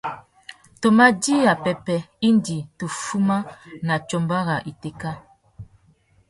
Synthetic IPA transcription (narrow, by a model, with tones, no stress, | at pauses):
to˨ma˦di˦a˨pɛ˨pɛ˨i˦ndi˨tu˨fu˦ma˦na˨t͡ʃo˦mba˦ɣa˨ʔi˨te˦ka˦